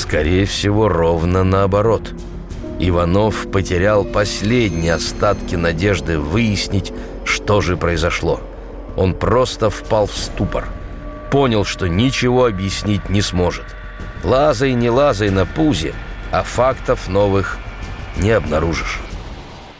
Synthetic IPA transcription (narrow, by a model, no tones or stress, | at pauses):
skɐɾʲejəfsʲɪvo̞ro̞vnənəɐbɐɾo̞t̪ | ɪvɐno̞fpətʲɪɾʲalˠpɐsʲlʲedʲnʲɪjɐst̪at̪kʲɪnɐdʲe̞ʐd̪ɨvɨjɪsʲnʲɪtʲ | ʂt̪o̞ʐɨpɾəɪzɐʂlˠo̞ | o̞npro̞st̪əfpalˠfst̪upə̰r | po̞nʲɪlˠʂt̪o̞nʲɪt͡ɕɪvo̞ɐbjɪsʲnʲitʲnʲɪsmo̞ʐɨt̪ | lˠazəjnʲɪlˠazəjnɐpuzʲɪ̰ɐfakt̪əfno̞vɨxnʲɪɐbnɐɾuʐɨʂ